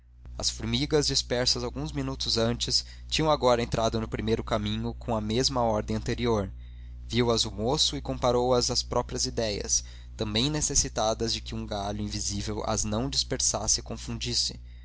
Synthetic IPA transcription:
ɐ̰sfuɾmiɡɐzd͡ʒispɛɾsɐzawɡũzminut̪ʊzɐ̃nt͡ʃɪs | t͡ʃĩɲɐ̃w̃aɡɔɾɐẽnt̪ɾʔad̪ʊnʊpɾimejɾʊkamĩɲʊkʰõw̃ɐmezmɐɔɾd̪ẽɐ̃nt̪eɾioɾ | viwɐzʊmosʊɪkõpaɾowɐzɐspɾɔpɾiɐzid̪ɛjɐ̰s | t̪ɐ̃mbẽj̃nesesit̪ad̪ɐzd͡ʒɪkɪũɡaʎʊĩvizivewɐ̰znɐ̃w̃d͡ʒispeɾsa̰sɪɪkõfũd͡ʒisɪ

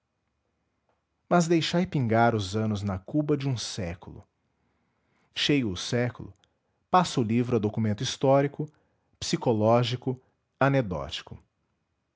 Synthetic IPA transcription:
mɐzd̪ejʃajpĩŋɡaɾʊzɐ̃nʊznɐkubɐd͡ʒɪũsɛkʊlʊ̰ | ʃejʊʊsɛkʊlʊ̰ | pasʊlivɾʊɐd̪okumẽnt̪ʊist̪ɔɾikʊ | psikolɔʒikʊ | ɐned̪ɔ̰t͡ʃi̥kʊ

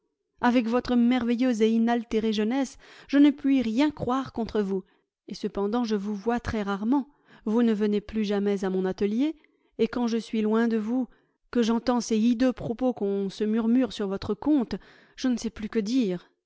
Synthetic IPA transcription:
avɛkvɔt̪χəmɛʁvɛjøzeinalt̪eʁeʒənɛsʒ̥ənəpɥiʁjɛ̃kχwaʁkɔ̃t̪χəvu | esəpɑ̃d̪ɑ̃ʒəvuvwat̪χɛʁaʁmɑ̃ | vunəvəneplyʒamɛzamɔ̃nat̪əljeː | kɑ̃ʒəsɥilwɛ̃d̪əvu | kəʒɑ̃t̪ɑ̃sɛid̪øpχɔpokɔ̃səmyʁmyʁsyʁvɔt̪χəkɔ̃t̪ | ʒ̥ənəsɛplykəd̪iːʁ

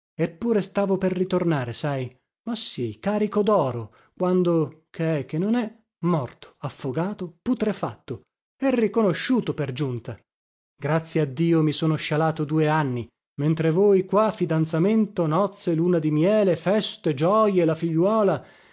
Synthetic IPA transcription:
epːuːɾest̪aːvoperːit̪ornaːɾesaj | masːikaːɾikod̪ɔːɾo | kwand̪okʰeɛk̟ːenːonɛ | mɔrt̪o̥afːoɡaːt̪oput̪ɾefa̰t̪ːo | ɛrːikonoʃːuːt̪operd͡ʒunt̪a | ɡɾat̪sːjead̪ːiːomisoːnoʃalaːt̪od̪uːeanːi | ment̪ɾevoːjkwafːid̪ant̪sament̪onɔt̪sːeluːnad̪imjɛːlefɛst̪ed͡ʒɔjelafiʎːwɔːla

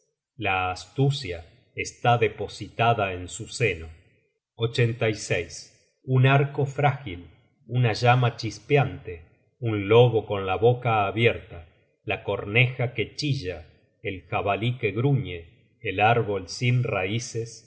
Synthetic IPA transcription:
laːst̪usja | est̪aðepo̞sit̪aðaensuse̞no | ot͡ʃe̞nt̪ajsejs | unaɾko̞fɾaxil | unaʒamat͡ʃispjant̪e | unlo̞ɣo̞ko̞nlaβo̞kaːβjeɾt̪a | lako̞ɾnexake̞t͡ʃiʒa | elxaβalike̞ɣɾuɲeː | laɾβo̞lsinraises

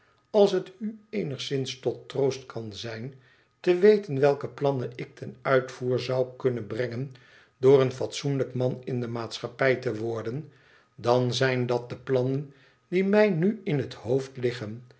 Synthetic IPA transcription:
ɑlˠsɦətyejnəχsɪnstɔtːrowstkʰɑnzɛjn | təʋejtənʋɛlˠkəplɑnənɪk̚tʰɛnœɥtfuːɹzɑwkɵnənbrɛŋən | dʊːrənfɑtsunləkmɑnɪndəmaːtsχɑpɛjtəʋɔɹdən | dɑnzɛjndɑt̚dəplɑnən | dimɛjnyɪnɦəthowftlɪχən

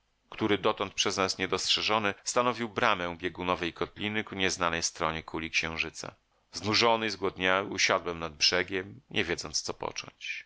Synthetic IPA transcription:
kt̪uɾɘd̪ɔt̪ɔnt̪̚pʂɛznasɲɛd̪ɔstʂɛʐɔnɘst̪anɔvʲiwbɾamɛ̃w̃bʲjɛɡunɔvɛjkɔt̪lʲinɘkuɲɛznanɛjst̪ɾɔɲɛkʰulʲikɕɛ̃w̃ʐɘt̪sa̰ | znuʐɔnɘzɡwɔd̪ɲawuɕad̪wɛmnad̪̚bʐɛɡʲɛmɲʔɛvʲjɛd̪zɔnt̪st̪sɔpɔ̰t͡ʂɔ̰̃ɲt͡ɕ

